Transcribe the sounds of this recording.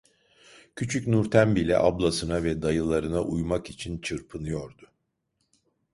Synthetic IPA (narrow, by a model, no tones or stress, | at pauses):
cʰyt͡ʃʰycnuɾt̪ʰænbilʲɛ̰ʔablˠasɯnavɛd̪ajɯlˠaɾɯnaʔujmakit͡ʃʰint͡ʃʰɯɾpʰɯnɯjo̞ɾd̪ʊ